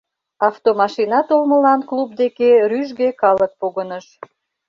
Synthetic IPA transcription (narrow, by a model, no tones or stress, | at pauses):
ɑft̪omɑʃinɑt̪olməlɑnklub̚d̪ekeryʒɣekɑlək̚poɣənəʃ